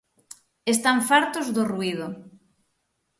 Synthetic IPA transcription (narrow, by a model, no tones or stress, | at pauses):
est̪aɱfaɾt̪ozðoruið̞o